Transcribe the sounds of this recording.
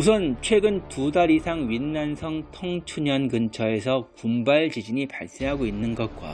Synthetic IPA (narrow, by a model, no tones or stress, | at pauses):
usʰʌnt͡ɕʰwe̞ɡɯntudaɾisʰaŋɥinːansʰʌŋtʰʌŋt͡ɕʰuɲʌnɡɯnt͡ɕʰʌe̞sʰʌkumbaɭd͡ʑid͡ʑiɲipa̰ɭs͈eɦaɡoinːɯnɡʌt̚k͈wa̰